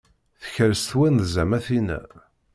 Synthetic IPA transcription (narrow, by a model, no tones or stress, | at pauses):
θə̥çəɾst̪wænðzæmæθinæ̰